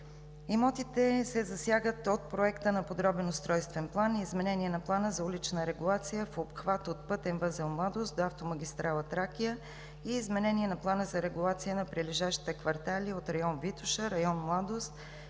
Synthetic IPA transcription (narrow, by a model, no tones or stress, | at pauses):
ɛmɔt̪it̪ɛsɛzɐsjaɡət̪ot̪̚pɾoɛkt̪ənɐpod̪ɾɔbɛnʊst̪ɾɔjst̪vɛnplˠaniːzmɛnɛniɛnɐplˠanəzɐulit͡ʃnəɾɛɡulˠat̪sijəfopxvat̪ot̪̚pɤt̪ɛnvɤzɛlˠmlˠad̪osd̪oaft̪omɐɡʲist̪ɾalˠət̪ɾakʲijə | iːzmɛnɛniɛnɐplˠanəzɐɾɛɡulˠat̪sijənɐpɾiliʒaʃt̪i̥t̪ɛkvɐɾt̪aliot̪ɾɐjɔnvit̪ʊʃəɾɐjɔnmlˠad̪ost̪